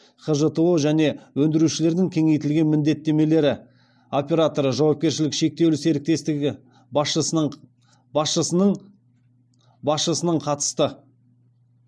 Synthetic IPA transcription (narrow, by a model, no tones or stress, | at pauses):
χəʒət̪eoʒæne̞wɵnd̪ɪɾuʃɪle̞ɾd̪ɪŋkʲʰe̞ŋe̞jt̪ɪlɡʲe̞nmɪnd̪e̞t̪ːe̞me̞le̞ɾɪ | o̞pʲe̞ɾat̪o̞ɾəʒɑwɑp̚kʲe̞ɾʃɪlɪkʃe̞k̚t̪e̞wlɪse̞ɾɪk̚t̪e̞st̪ɪɡʲɪ | bɑsʃəsənəɴ | bɑsʃəsənəɴqʰɑt̪ə̥st̪ə